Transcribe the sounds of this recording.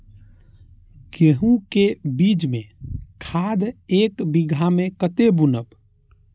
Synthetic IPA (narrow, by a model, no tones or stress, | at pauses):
keɦũkebid͡ʒmẽkʰad̪ekbiɡʱamẽkət̪ebunəb